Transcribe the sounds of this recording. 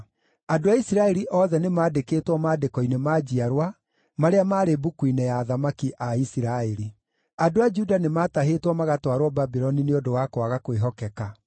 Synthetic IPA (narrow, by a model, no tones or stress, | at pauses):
adoaisiɾaɛɾiʔɔːðɛnemaːdekeːtwɔmaːdekɔinemaːd͡ʑiaɾwa | maɾeamaːɾebukwinejaːðamakiʔaisiɾaeɾi | adoad͡ʒudanemaːtaɦetwɔmaɣatwaɾwɔbabiɾɔnineodowakwaɣakweɦɔkɛka